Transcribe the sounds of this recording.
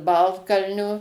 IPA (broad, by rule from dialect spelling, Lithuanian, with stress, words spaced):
ˈbɐlˠtkɐlʲnʲoː